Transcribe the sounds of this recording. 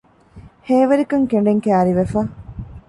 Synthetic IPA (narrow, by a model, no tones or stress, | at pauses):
heːʋɐɾikɐŋkeɳ̆ɖeŋkæːɾiʋefɐ